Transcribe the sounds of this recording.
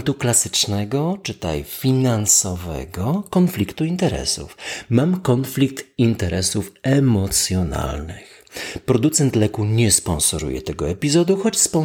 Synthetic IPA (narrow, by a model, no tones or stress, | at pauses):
nt̪uklasɘ̥t͡ʂnɛɡɔt͡ʂɘt̪a̰jfʲinansɔvɛ̰ɡɔkɔnflʲikt̪uint̪ɛɾɛ̰sṵfmamkɔnflʲik̚t̪int̪ɛɾɛsufɛmɔt̪sʲjɔna̰lnɘx | pɾɔd̪ut̪sɛnt̪lɛkuɲɛspɔnsɔɾṵjɛ̰t̪ɛɡɔɛpʲizɔd̪uxɔt͡ɕspɔn